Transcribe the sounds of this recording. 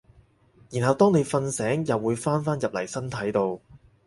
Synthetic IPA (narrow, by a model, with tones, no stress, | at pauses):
jiː˨˩nhɐ˨wt̪ɔː˥ŋne˨˧jfɐ˧nsɛː˨˥ŋjɐ˨wːuː˨˧jfaː˥nfaː˥njɐ˨p̚lɐ˨˩jsɐ˥nt̪ʰɐ˨˥jt̪o˧w